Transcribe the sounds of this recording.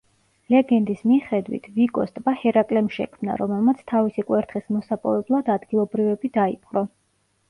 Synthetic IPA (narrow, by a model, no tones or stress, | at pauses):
lɛɡɛnd̪ismiχɛd̪wḭt̪ʰvikʼɔst̪ʼbahɛɾakʼlɛmʃɛ̰kʰmna̰ɾɔmɛlˠmat̪sʰt̪ʰavisikʼwɛɾt̪χismɔsapʼɔ̰vɛblˠad̪ad̪ɡilˠɔbɾivɛbid̪aipʼqʼɾɔ